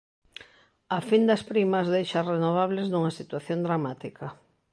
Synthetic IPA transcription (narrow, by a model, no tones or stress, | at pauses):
ɐfind̪ɐspɾimɐzðejʃɐrenoβ̞aβleznuŋɐsit̪waθjond̪ɾamat̪ikɐ